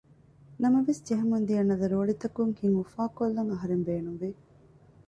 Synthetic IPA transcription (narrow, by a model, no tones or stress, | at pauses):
nɐmɐʋesd͡ʒeɦɐmund̪iɐnːɐd̪ɐɾoːɭit̪ɐkuŋhiŋufaːkolːɐŋɐɦɐɾembeːnumʋi